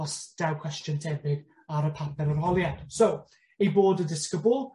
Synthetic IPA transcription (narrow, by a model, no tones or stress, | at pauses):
ɔsd̥awkʰw̥ɛstəntʰɛbɪɡ | aɾəpʰapʰɛɾərɦɔlˠjansow | ejboːdədɪskəbʊlˠ